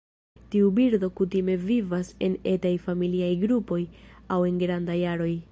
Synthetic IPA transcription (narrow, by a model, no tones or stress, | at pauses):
tiubiɾdo̞kutime̞vivase̞ne̞tajfamiliajɡɾupo̞jawe̞nɡɾandajaɾo̞j